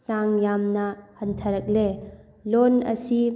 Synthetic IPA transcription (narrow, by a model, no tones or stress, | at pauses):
saŋjamnɐhɐntʰɐɾɐk̚le | lonɐ̰si